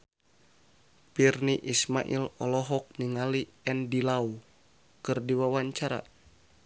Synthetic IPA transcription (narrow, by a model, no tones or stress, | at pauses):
pirniʔisma̰ʔḭlɔlɔɦɔk̚niŋaliɛndilau | kɨrdiwawaɲt͡ʃaɾa̰